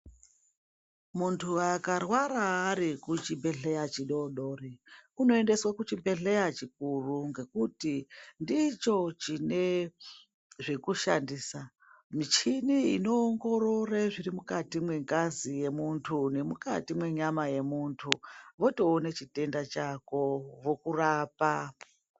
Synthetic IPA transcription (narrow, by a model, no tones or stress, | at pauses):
muntʰuakarwaɾaːɾikut͡ʃibe̞ɮe̞jat͡ʃiɗo̞ɗo̞ːreuno̞e̞nde̞swakut͡ʃibe̞ɮejat͡ʃik̚uruŋɡe̞kutindit͡ʃo̞t͡ʃine | ʐekuʃa̰ndiːsa | mit͡ʃiniḭno̞ːŋɡo̞ɾo̞reʐiɾimukatimwe̞ŋkazije̞muntʰune̞muka̰timwe̞ɲamaje̞muntʰuʋo̞to̞ːnet͡ʃite̞ndat͡ʃako̞ʋokuraːpa